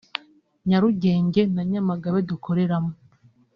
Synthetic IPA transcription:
ɲaɾuɟe̞ːɲɟe̞naɲamaɡaβedukʰo̞ɾe̞ɾamo

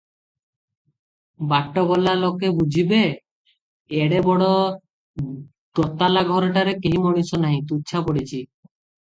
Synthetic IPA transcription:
baʈːɔɡɔlalokebud͡ʑʱibe | eɽebɔɽɔ | ɡɔt̪alaɡʱɔɾɔʈaɾekeɦimɔɽ̃isɔnaɦĩt̪utːʃʰapɔɽit͡ɕʰi

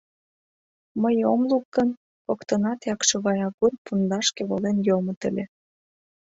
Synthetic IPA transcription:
məjomluk̚ɡən | pokt̪ənɑt̪jɑkʃeβɑjɑɣurpund̪ɑʃkeβolenjomŏt̪ə̰̆lʲe

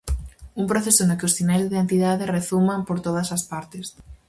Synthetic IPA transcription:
uŋmpɾoθesonʊkɪʊsθinɛlzðiðent̪iðaðereθumampoɾt̪oð̞ɐsɐspaɾt̪ɪs

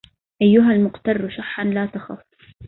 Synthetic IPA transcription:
ʔajːʊɦalmʊqt̪ɑrˤːʃaħːanlaːt̪axʊfˤ

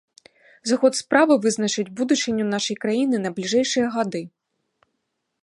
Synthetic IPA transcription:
zaxɔt̪spɾavɨvɨzn̪ɐt͡ʂɨt͡sʲbud̪ut͡ʂɨnʲːunaʂɐjkɾajinɨnɐblʲiʐɛjʂɨjɐɣad̪ɨ

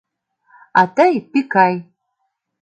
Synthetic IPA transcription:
atʰajpikʰaj

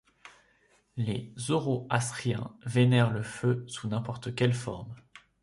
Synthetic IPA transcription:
lezoʁoasχijɛ̰̃venɛʁləføsunɛ̃pɔʁt̪əkʲɛlfɔ̰ʁm

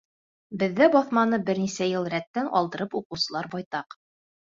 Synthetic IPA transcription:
bɘ̆ðːæbɒθmɑnɤbɘ̆ɾnisæjɤlˠɾæt̪ːænɒ̰lˠd̪ɤ̆ɾɤpuqɤ̆wsɤ̆lˠɑɾbɒjt̪ɑq

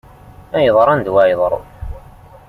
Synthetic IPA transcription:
æjəðˤɾˤænd̪wæjðˤɾ̰ˤ

